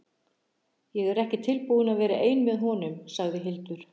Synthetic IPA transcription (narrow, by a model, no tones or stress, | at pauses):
jɛɣɛɾɛhcɪt̪ʰɪlpuðʏnaðvɛːɾaʔeːjnmɛðɦɔnʏmsaɣðɪɦɪlt̪ʏɾ̥